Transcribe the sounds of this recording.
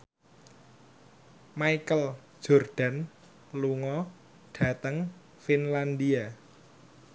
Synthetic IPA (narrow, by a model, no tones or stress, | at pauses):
majkəl̥ | ʒ̥ɔ̤rɖ̥a̤n | luŋɔ | ɖ̥ä̤t̪əŋ | finland̪ia